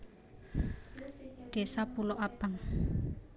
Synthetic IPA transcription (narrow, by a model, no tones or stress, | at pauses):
ɖ̥e̤sapuloʔab̥aŋ